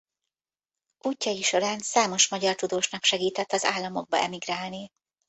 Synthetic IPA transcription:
ʔuːcːɒjiʃo̞ɾaːnsaːmo̞ʃmɒɟɒrt̪ud̪oːʃnɒkʃɛɡiːt̪ɛt̪ːɒza̰ːlːɒmo̞ɡ̚bɒ̰ɛmiɡraːlni

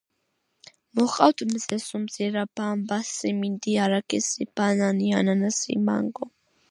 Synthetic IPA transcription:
mɔχʼawt̪ʰʼmzɛsumziɾabambasimind̪iaɾakʰʼɛsib̥ananiananasḭma̰ŋɡɔ

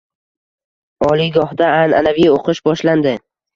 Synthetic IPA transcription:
ɒlɪɡɒhd̪aːna̰navijoqʰɨʃbɒʃland̪ɪ

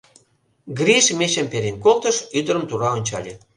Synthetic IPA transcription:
ɡriʃmeɕempeɾenkolt̪ə̆ʃyd̪ə̆ɾəmt̪uɾɑonʲt͡ɕɑ̰lʲe

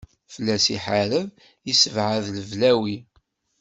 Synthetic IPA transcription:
fəlːæsiħaɾəv | isəvʕaðləvlæwi

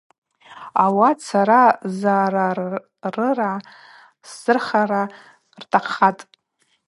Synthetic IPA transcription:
awat͡sʰaɾazaːɾa | rɨra | sːɨrχaɾa | rtʰaqːatʼ

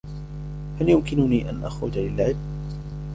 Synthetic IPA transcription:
haljʊmkɪnʊniːʔa̰nʔa̰xɾʊd͡ʒalɪlʕɪb̚

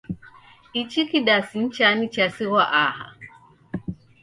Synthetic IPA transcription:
it͡ʃikiɗasin̩t͡ʃanit͡ʃasiɣaʔaha̰

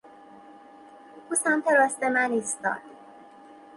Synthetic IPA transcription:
usæmt̪eɾɒːst̪emæniːst̪ɒ̰ːd̪̥

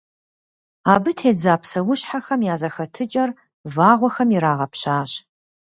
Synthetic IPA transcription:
aːbɨtʰeːd͡zaːpsɐwʊɕħaxɐmjaːzɐxɐtʰɨt͡ʃʼɐr | vaːʁʷɔxɐmiɾaːʁɐpɕaːɕ

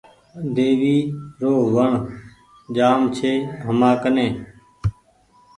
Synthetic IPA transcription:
d̪eːʋiːɾoːɦʋəɳ | d͡ʒaːmt͡ʃʰeːɦəmãːkənẽː

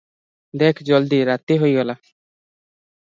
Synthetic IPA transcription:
d̪eːkʰd͡ʒəld̪iːɾaːt̪iɦoiɡəlaː

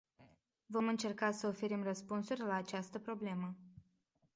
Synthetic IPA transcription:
vo̞mɨnt͡ʃe̞rkasəofe̞ɾimrəspunsurʲlaːt͡ʃast̪əpɾo̞ble̞mə

